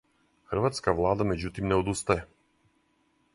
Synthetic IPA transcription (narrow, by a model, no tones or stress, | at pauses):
xrvat̪skavlˠad̪amɛd͡ʑut̪imnɛɔd̪ust̪ajɛ